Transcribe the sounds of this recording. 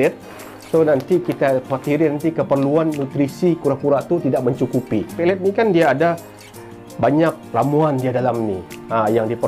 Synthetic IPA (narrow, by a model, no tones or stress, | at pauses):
ɛt̪̚ | sonant̪ikit̪apat̪iɾinant̪ikəpərluanːut̪ɾisikuɾakuɾaʔt̪ut̪idaʔ̚məɲt͡ʃukupipɛlɛt̪̚nikandiaːda | baɲak̚lamuandiadalamnḭajaŋdipə